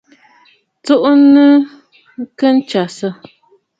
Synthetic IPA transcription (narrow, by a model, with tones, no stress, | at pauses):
t͡su˦ʔnɨ˦ | kə˦n̩˦t͡ʃa˨sə˦